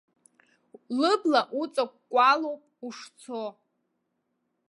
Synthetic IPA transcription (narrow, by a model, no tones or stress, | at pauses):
lɨblaʔut͡sʼak̚ʷkʷʼalowpʼuʂt͡sʰo